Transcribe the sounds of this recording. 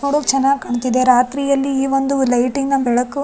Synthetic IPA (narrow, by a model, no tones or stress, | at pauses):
noɽokt͡ʃɛnːaːɡkɐɳut̪id̪eɾaːt̪ɾijɐlːiiːʋond̪ulɐjʈiŋɡɐbɛɭɐkːu